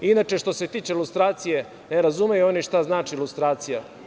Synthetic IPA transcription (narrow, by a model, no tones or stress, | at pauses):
inat͡ʃe̞ʃt̪o̞se̞t̪iːt͡ʃeilust̪ɾaːt̪sije̞ | neɾazumejuo̞niʃt̪aznaːt͡ʃiilust̪ɾaːt̪sija